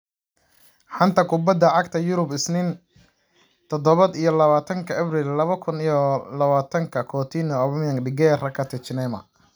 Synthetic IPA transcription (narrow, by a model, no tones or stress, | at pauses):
ħant̪ʰɐkʰʊbɐd̪ɐʕɑɡt̪ʰɐjʊɾʊbɪsnɪn | t̪ʰɔd̪ɔβɐd̪ijɔlɐβaːt̪ʰɐŋkʰɐʔɐbrilːɐβɐkʰʊnijɔlɐβaːt̪ʰɐŋkʰɐkʰɔːt̪ʰinɔːβmjɐŋɖɪɡɛːrɐkʰɐt̪ʰɛt͡ʃɪnɛmɐ̰